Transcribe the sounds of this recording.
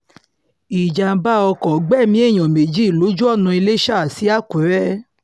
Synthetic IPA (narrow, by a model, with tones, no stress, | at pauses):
i˨d͡ʒa˨˦ba˦ɔ˧kɔ˨ɡ͡bɛ˦˨mĩ˦e˦˨j̃ɔ̃˨me˨d͡ʒi˦˨lo˨˦d͡ʒu˦ɔ˦˨nũ˧i˧le˦ʃa˦˨si˨˦a˦˨ku˨˦ɾɛ˦